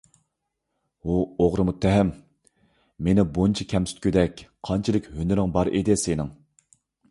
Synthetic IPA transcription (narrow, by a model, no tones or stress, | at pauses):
uoʁɾɨmut̪ʰːɛɦɛmː | enɪbont͡ʃʰikʲʰɛmsy̥t̪̚kʲyd̪ɛkʲqʰɑnt͡ʃʰilˠɪkʲhønɪɾɪŋbɑɾʔed̪ɪsenɪŋ